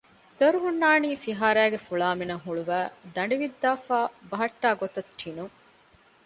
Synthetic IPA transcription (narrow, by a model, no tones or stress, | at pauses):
d̪ɐɾuɦunːaːniːfiɦaːɾæːɡefuɭaːminɐŋɦuɭuʋæːd̪ɐɳɖiʋid̪ːaːfaːbɐɦɐʈːaːɡot̪ɐt̪t͡ʃʰinuŋ